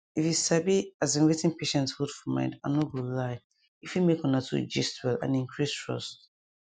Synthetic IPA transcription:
ifjusabiazĩnwetɪ̃ŋpʰeʃɛ̃ntshodfɔmã̰ɪ̃nda̰noɡolaɪ | ifjumekɔ̃natʰṵd͡ʒḭstwɛlã̰nĩŋkʰɹistɹɔ̰st

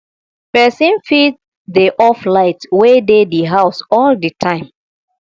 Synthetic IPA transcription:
pɛsĩnfit̚ | dəʔɔflaɪtwedediɦaʊsɔldətʰãɪ̃m

